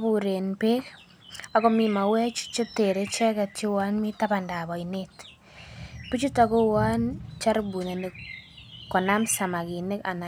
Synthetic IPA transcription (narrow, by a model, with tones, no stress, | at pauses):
βu˨ɾe˨npe˦k | a˨ko˦mi˨ma˨wɛ˦t͡ʃu̥˦t͡ʃo˦te˨ɾe˦t͡ʃɛ˦kɛ˨tt͡ʃo˦wa˦nmi˦ta˦ba˨nda˨βɔ˨inet | pi˦t͡ʃu˦ta˨ko˦wa˦nt͡ʃa˦ɾbu˨ne˨ne˨kkːɔ˨na˦msa˨ma˨ki˨ne˦ka˨na˨